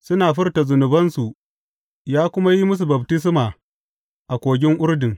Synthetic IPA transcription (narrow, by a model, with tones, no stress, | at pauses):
sʊ˦naː˨ɸɪ˦rta˨zʊ˨nʊ˨bɐ˦nsu˨ʔ | jaː˦kʷʊ˦ma˦ji˦mʊ˦s̬u˨bɐ˨btɪ˦s̬maː˨ | ʔa˨kʷoː˨ɡʲɪ˦ŋʔʊ˦ɽdɪ˨ŋ